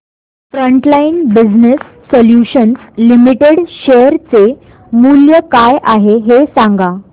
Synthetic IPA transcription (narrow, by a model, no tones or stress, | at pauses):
fɾəɳʈlainbid͡znəsːoljuɕənslimiʈeɽɕeəɾt͡se | muljəkajʔaɦeɦesãŋɡa